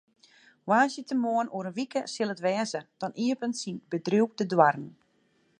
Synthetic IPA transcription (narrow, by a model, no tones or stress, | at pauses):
waːsjətəmoənuəɾənʋikəsɪlˠətʋɛːzəd̥ɔnʔiəpənsinbədruk̚dədwarn̩